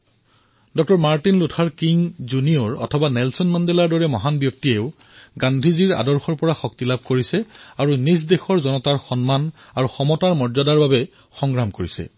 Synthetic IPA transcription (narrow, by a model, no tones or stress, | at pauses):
dɔk̚tɔɹmaɹtinlutʰaɹkiŋzuniɔɹɔ̰tʰɔbanɛlsɔnmandelaɹdɔɹɛmɔɦanbjɔk̚tieʊ | ɡandʱiziɹa̰dɔɹxɔɹpɔɹaxɔk̚tilab̚koɹisɛaɹunis̬dexɔɹzɔnɔtaɹxɔnman | aɹuxɔmɔtaɹmɔɹzadaɹbabɛ | xɔŋɹamkoɹisɛ̰